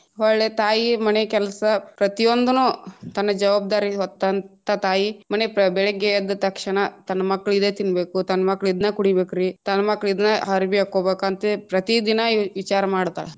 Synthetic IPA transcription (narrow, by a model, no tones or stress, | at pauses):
ɔɭːeːt̪aːjimɐnekɛlɐsɐpɾɐt̪ijond̪unuːt̪ɐnːɐd͡ʒɐʋaːb̚d̪aːɾiɦɔt̪ːɐnt̪ɐt̪aːjimɐnepbɛɭɛɡɛjɐd̪ːɐt̪ɐkʂɐɳɐt̪ɐnːɐmɐkːɐɭid̪eːt̪inbeːkut̪ɐnːɐmɐkːɐɭid̪nɐkuɽibeːkuɾit̪ɐnːɐmɐkːɐɭid̪nɐɦɐɾibiakːoːbeːkant̪epɾɐt̪id̪inɐʋit͡ʃaːɾɐmaːɽt̪a̰ːɭe